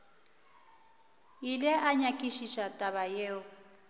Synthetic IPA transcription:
jilɛʔaɲakʼiʃiʃatʼaβajeːʊ

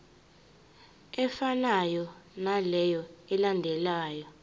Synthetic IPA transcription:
ɛfanajɔnalɛjɔɛlandʱɛlaːjɔ

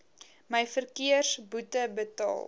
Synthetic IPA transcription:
məjfərkiərsbutəbətɑ̰ːlˠ

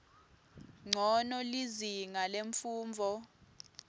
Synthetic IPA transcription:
ŋ͡ǀʱɔnɔliziŋaleɱfuːmvʱɔ

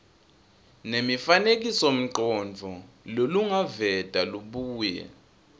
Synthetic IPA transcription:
nemifanek̬isom̩ǃɔnd͡vʱɔ | loluŋavɛd̥ʼʱaluɓuːjɛ̰

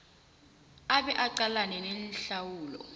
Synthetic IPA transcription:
aɓɛʔaǀalanɛnɛnɬawuːlɔ̰

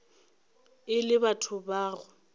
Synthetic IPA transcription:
ɪlɪbatʰʊbaːɣʊ

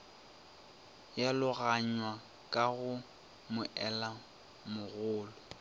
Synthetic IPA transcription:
jalʊɣaɲwa | kʼaɣʊ | mʊʔɛla | mʊɣʊːlɔ

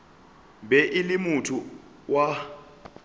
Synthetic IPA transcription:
bɛʔilimutʰu | wa

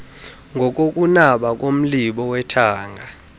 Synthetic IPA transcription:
ŋɡʱɔk̬ok̬ʼunaɓak̬ʼom̩liɓɔwɛtʰaːŋɡʱa

